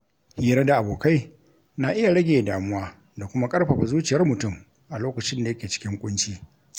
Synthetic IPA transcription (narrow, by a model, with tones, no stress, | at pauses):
hiː˦ɾɐ˦da˨ʔa˨boː˨ka˦j | na˨ʔɪ˦ja˨ɽɐ˦ɡʲeː˨daː˨mʊ˦waː˦ | da˨kʷʊ˦ma˦kʼɐ˦rɸɐ˨ɸa˨zuː˦t͡ʃɪ˨jɐ˦rmʊ˨tʊ˦˨m | ʔa˨loː˦kɐ˨t͡ʃɪ˦nda˨jɐ˦kʲeː˨t͡ʃɪ̥˦kʲɪ˦ŋkʷʼʊ˦nt͡ʃiː˦